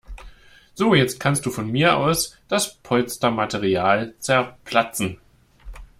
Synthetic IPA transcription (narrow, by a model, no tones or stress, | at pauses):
z̥oːjɛt͡st̚kʰanst̚d̥uːfɔnmiːɐʔa̰ʊsd̥aspʰɔlstɐmatʰeʁiaːlt͡sɛɐpʰl̥at͡sn̩